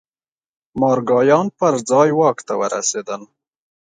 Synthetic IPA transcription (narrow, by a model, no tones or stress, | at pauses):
mɑːɾɡɑːjɑːnpəɾd͡zɑːjwɑːkt̪awəɾa̰seːd̪ən